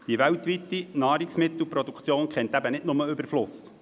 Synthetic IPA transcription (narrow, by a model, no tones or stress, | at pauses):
d̥iʋæwtʋit̪ːinɑːɾiksmɪt̪l̩pɾod̪ukt͡sjoːnkχɛnt̪æbənɪtnʊməʏbəɾflʊs